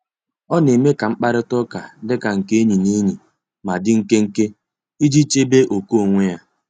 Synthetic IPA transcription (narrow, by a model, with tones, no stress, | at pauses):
ɔ˦ne˨me˦ka˨ŋ͡m̩˦k͡pa˦ɾɪ˦tɔ˦ka˨dɪ˦ka˨ŋ̩˨ke˦ɲi˨ne˦ɲi˨ | ma˨dɪ˦ŋ̩˦ke˦ŋ̩˦ke˦ | i˦d͡ʒi˦t͡ʃe˦be˦ʔo˨ko˦o˨ŋʷe˦ja˦